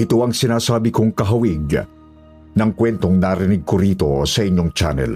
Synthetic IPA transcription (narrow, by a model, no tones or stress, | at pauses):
ʔɪt̪oʔɐŋsɪnaːsaːbɪkoŋkɐɦɐwiɪɡ̚ | nɐŋkwɛnt̪o̞ŋnaɾɪnɪɡ̚koɾiːt̪o̞̰sɐʔɪɲːo̞ŋt͡ʃa̰nɛ̰l